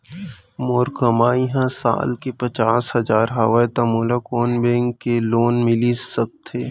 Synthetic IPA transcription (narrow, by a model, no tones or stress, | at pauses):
moːɾkəmaːiɦãsa̰ːlkepɐt͡ʃaːsɦɐzaːɾɦaʋaet̪amoːlakoːnbẽːŋkːeloːnmɪlisɐk̚t̪ʰeː